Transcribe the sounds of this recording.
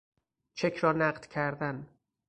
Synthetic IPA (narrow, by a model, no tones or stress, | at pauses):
t͡ʃʰekʰɾɒːnæɢd̪̥cʰæɾd̪æn